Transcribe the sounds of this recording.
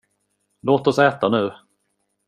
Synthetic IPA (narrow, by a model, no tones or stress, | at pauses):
loːt̪ɔsɛːt̪anʉ̟ː